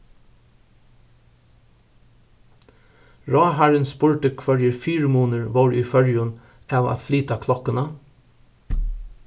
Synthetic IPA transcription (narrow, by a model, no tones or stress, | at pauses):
ɹɑːɦæɹənspʊɹʈəkʰʋœɹjəɹfyːɹəmuːnəɹʋoːɹiːfœɹjʊn | ɑːʋa̰t̪fliːt̪akʰlɔkənə